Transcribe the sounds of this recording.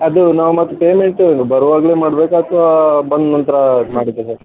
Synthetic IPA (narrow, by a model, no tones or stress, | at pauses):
ɐd̪unaːʋumɐt̪ːupeːmeɳʈubɐɾʋaːɡɐleːmaːɽbeːkaːt̪ʰʋabɐnd̪nɐnt̪ɐɾɐmaːɽid̪ːesɐɾ